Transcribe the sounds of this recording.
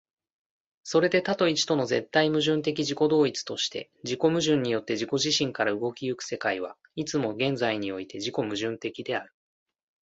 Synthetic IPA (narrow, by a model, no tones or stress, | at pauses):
so̞ɾe̞d̪e̞t̪at̪o̞it͡ɕi̥t̪o̞no̞ze̞t̪ːaimɯ̟ʑɨ̃nt̪e̞k̬ʲiʑiko̞d̪o̞ːit͡sɨ̥t̪o̞ɕi̥t̪e̞̰ | ʑiko̞mɯ̟ʑɨ̃ɲ̟ːijo̞t̪ːe̞ʑiko̞ʑiɕĩŋkaɾaɯ̟ɡo̞kʲijɯ̟kɯ̟̥se̞kaiβ̞a | it͡sɨmo̞ɡẽ̞nd͡zaiɲ̟io̞it̪e̞ʑiko̞mɯ̟ʑɨ̃nt̪e̞kʲid̪e̞aɾɯ̟